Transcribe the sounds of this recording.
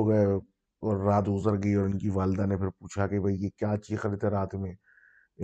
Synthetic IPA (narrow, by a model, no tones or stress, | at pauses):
oɡɐe | ɔːɾːaːt̪ɡʊzəɾɡɐiɔːɾɪnkiʋaːlɪd̪anepʰɪɾpuːt͡ʃʰakebʱɐijekjaːt͡ʃiːzxɐɾɪd̪ɦɛɾaːt̪mẽː | ɪ